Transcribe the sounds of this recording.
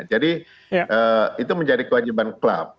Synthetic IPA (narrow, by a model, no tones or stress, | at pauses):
d͡ʒadi | ʔəit̪uməɲd͡ʒadikəwad͡ʒibankla̰p̚